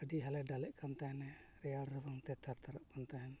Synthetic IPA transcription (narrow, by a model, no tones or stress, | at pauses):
əɖiɦalɛɖalɛʔkʰant̪aɦɛnɛ | ɾɛjalɾɔbɔŋt̪ɛt̪ʰaɾt̪ʰaɾaʔkant̪aɦɛm